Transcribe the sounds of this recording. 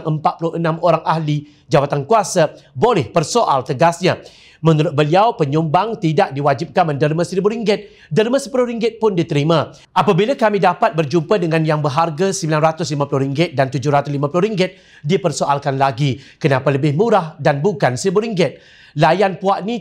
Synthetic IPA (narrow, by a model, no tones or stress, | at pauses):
ŋʔəmpat̪̚pulʊhənãmoɾaŋʔahli | d͡ʒabat̪ankuasabolɛhpərsoʔalt̪əɡasɲa | mənuɾʊt̪̚bəliawpəɲumbaŋt̪idak̚diwad͡ʒɪp̚kanməndəɾmãsɾibʊhɾiŋɡɪt̪̚ | dərmə̃səpulʊhɾiŋɡɪt̪̚pʊndit̪əɾimã | ʔapabilakamĩdapat̪̚bərd͡ʒumpədəŋãnjaŋbəɦarɡasəmbilanrat̪ʊslimapulʊhɾiŋɡɪt̪̚dant̪ud͡ʒʊhɾat̪ʊslimãpulʊhɾiŋɡɪt̪̚ | dipərsoʔalkanlaɡikənapaləbɪhmũɾahdanbukansəɾibʊɾiŋɡɪt̪̚ | lajanpuaʔnĩ